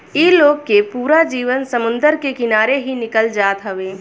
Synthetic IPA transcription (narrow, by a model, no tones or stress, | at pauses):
iloːɡ̚kepuːɾad͡ʒiːʋənsɐmʊ̃nd̪əɾkekɪnaːɾeɦinɪkəld͡ʒaːt̪ɦɐʋeː